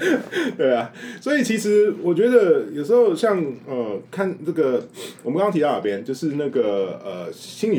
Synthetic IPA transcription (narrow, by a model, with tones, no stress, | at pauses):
t̪we˥˩ɪɐ˩swɔ˧˥i˨˩t͡ɕʰi˧˥ʂɻ̩˧˥wɔ˨˩t͡ɕɥɛ˧˥d̪ə˧˨jo˨˩ʊʂ̬̩˧˥xo˥˧ʊɕjɑ˥˧ŋə˧˩kʰa˥˩nna˥˩ɡə˩wmə˦kɑ˥ŋt̪ʰi˧˥˩n̰˨˩pjɛ˥nt͡ɕjo˥˧ʊʂɻ̩˥˧na˥˩ɡə˩ə˩ɕi˥ŋi˨